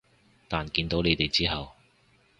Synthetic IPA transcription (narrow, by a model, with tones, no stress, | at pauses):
t̪aː˨nkiː˧nt̪o˨˥wle˨˧jt̪e˨jt͡siː˥ɦɐ˨w